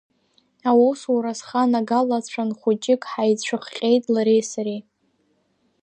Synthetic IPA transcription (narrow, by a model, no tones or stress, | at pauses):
awowswuɾasχanaɡalat͡ɕʷʰanχʷʊt͡ʃʼɪkʼħajt͡ɕʷʰɨχqʲʼejtʼlaɾejsaɾe